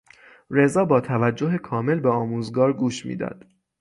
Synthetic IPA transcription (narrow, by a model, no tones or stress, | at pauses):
ɾe̞zɒːbɒːt̪ʰævæd͡ʒːoɦekʰɒːme̞lbeɒːmuːzɡɒːɾɡuːʃmḭːd̪ɒ̰ːd̪̥